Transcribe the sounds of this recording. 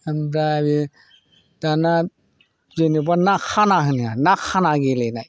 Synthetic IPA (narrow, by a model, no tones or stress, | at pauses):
ambɾabi | d̥ana | zenibanakʰanaɦɯnijanakʰanaɡelenaj